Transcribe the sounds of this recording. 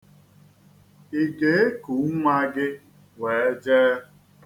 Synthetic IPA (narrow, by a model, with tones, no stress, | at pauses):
i˨ɡe˨˦e˦ku˨˦ŋʷa˦ɡɪ˦ | we˨e˦d͡ʒɛː˦